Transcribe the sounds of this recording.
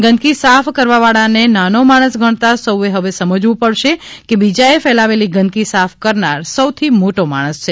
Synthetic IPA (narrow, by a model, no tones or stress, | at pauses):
ɡənkisafkəɾʋaʋaɭanenanomaɽ̃əsɡʱəɳ̃t̪asəweɦəʋesəməd͡ʒʋũpəɽʃe | kebid͡ʒaefɛlaʋeliɡənd̪kisafʰkəɾnaɾsəwt̪ʰimoʈoma̰ɽ̃əst͡ʃʰe